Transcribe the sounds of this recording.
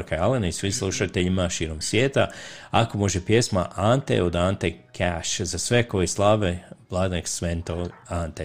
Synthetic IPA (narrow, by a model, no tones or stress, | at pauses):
ɾkaalenaisʋislˠuʃat̪eʎimaʃiːɾo̞msʋjeːt̪aako̞mo̞ʒepjesma̰ʔant̪ḛod̪ant̪ekʰaʃzasʋe̞ko̞jislˠaːʋeblˠad̪neksʋent̪oant̪e